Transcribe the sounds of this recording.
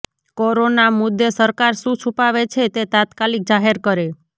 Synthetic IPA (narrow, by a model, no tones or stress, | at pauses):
koɾonamʊd̪ːesəɾkaɾsũt͡ʃʰupaʋet͡ʃʰet̪et̪at̪kalik̚d͡ʒaɦeɾkəɾe